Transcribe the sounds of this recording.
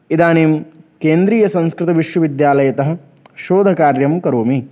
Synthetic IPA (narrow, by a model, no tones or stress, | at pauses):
id̪aːniːmkeːnd̪ɾiːjɐsɐ̃ñskɾɪt̪ɐʋiʃʋɐʋid̪jaːlɐjɐt̪ɐɦɐ̆ | ʃoːd̪ʱɐkaːɾjɐmkɐɾoːmi